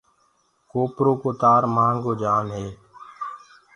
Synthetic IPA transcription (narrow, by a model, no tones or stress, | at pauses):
koːpɾoːkoːt̪aːɾmaːŋɡoːd͡ʒaːnɦeː